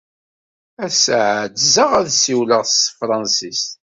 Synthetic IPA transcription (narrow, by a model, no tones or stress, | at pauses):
æsʕd̪zəʁæðsiwləʁst̪fɾˤɑnsist̪